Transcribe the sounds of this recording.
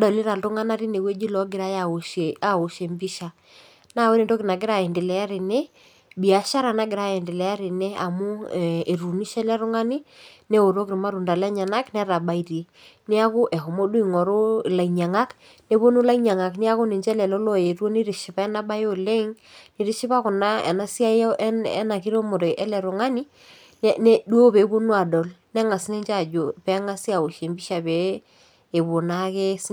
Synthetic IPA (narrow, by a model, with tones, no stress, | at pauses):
dɔ˨lɪ˦ɾa˨ltʊ˦ŋa˦na˦ɾi˦ne˨we˦d͡ʒi˦lɔ˨˦ɡɪ˨ɾa˦ja˨a˨o˨ʃe˨mbi˦ʃa˨ | na˦˨we˦ni˦˨ndo˦kɪ˨na˨ɡɪ˦ɾa˨ɛ˨ndɪ˨lɛ˨˦a˦ɾi˨nɛ˦ | bi˨a˨ʃa˦ɾa˨na˦ɡɪ˨ɾa˦ɛ˨ndɪ˨lɛ˨˦a˦ɾɪ˨nɛ˦a˨mu˦˨e˨ɾu˨ni˦ʃɛ˦lɛ˦ɾʊ˦ŋa˦ni˦ne˦o˨ɾo˦kɾi˨ma˦ɾu˨nda˨lɛ˦ɲa˨na˦knɛ˦ɾa˨ba˨i˦ɾi˨˦ | nɪ˦a˦kʊ˦ʔɛ˨ɦo˨mo˦du˦i˦˨ŋɔ˨ɾo˦˨la˨iɲa˨ŋa˦k | ne˦bo˦nu˦la˦i˦ɲa˨ŋa˨knɪ˦a˦kʊ˦ne˨nd͡ʒɛ˦lɛ˨lo˦lo˨je˨ɾo˦ni˦ɾɪ˨ʃɪ˨pa˦ɛ˦na˦ba˦jo˦le˦ŋ | ni˨ɾɪ˦ʃɪ˦pa˦kʊ˨na˦ɛ̰˨na˦si˦a˦ɛ̰˦na˨ki˦ɾo˦mʊ˨ɾe˨ʔɛ˦lɛ˨ɾo˨ŋa˦ni˦ | ne˦du˦o˦pe˨˦bo˦nu˦a˨dɔ˨lnɛ˦ŋa˨sne˦nt͡ʃa˦˨d͡ʒo˨pɛ˦ŋa˦si˦a˨o˨ʃe˨mbi˦ʃa˨peː˨˦˨ | bʊ˨na˦ke˦s